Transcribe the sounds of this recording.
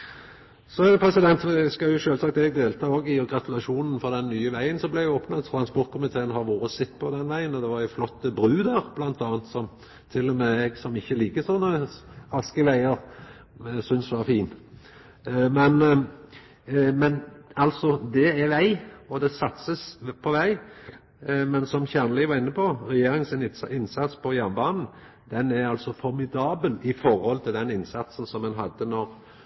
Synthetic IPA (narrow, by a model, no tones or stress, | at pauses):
sɔæd̪ɛpʰɾɛsɪd̪ɛnt̪ɛskɑjʊʃøːlsɑk̚t̪ɛɡd̪eːlt̪ʰɑːoːɡɪɡɾɑt̪ʉlɑʃuːnən̩fɔʁd̪ɛnːyːəʋæɪənsɔmblæɪjʊoːpnət̪t̪ʰɾɑnspɔɾt̪̚kʊmɪt̪ʰeːənhɑɾʋoːɾəsɪt̪ːpʰɔd̪ɛnʋæɪənɔd̪ɛʋɑɾɛflɔt̪ːəbɾʉːd̪æɾb̥lɑnt̪ʰɑːənt̪sɔm | t̪ʰɪlːɔmɛɛɡsɔmɪçːəliːkəsɔnːəɑskəʋæɪəɾ | sʏnsʋɑʁfiːn | mɛn | mɛnɑlsɔd̪ɛæɾʋæɪɔd̪ɛsɑt̪səspʰɔʋæɪ | mɛnsɔmçænəlɪʋɑʁɪnːəpʰɔɾɛjeːɾɪŋənsɪnɪnsɑt̪spʰɔjænbɑːnn̩ | d̪ɛnæɾɑlsɔfɔɾmɪd̪ɑːbəlɪfɔɾhɔlt̪ʰɪld̪ɛnɪnsɑt̪sn̩sɔmɛnɦɑd̪ːənɔʁ